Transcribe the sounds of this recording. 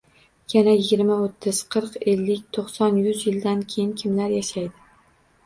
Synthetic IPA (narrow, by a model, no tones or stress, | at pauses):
janajɪɡʲɪɾmaot̪ʰːɪz̥qʰɨɾqe̞lːɪkʲt̪ʰoqsɒnjʊzjɪld̪ankʲʰejɪnkʲʰɪmlaɾjaʃajd̪ɪ